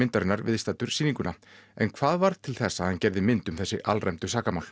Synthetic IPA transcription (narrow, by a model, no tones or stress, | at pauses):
ɪnt̪aɾɪnːaɾvɪðst̪at̪ʏɾ̥siːniŋkʏnaɛnkʰv̥aːðvaɾðt̪ʰɪlθɛsːahancɛɾðɪmɪnt̪ʏmθɛsːɪʔalrɛjmt̪ʏsaːkamawl